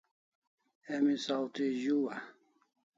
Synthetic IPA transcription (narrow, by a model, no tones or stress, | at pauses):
emisawt̪iʑuwa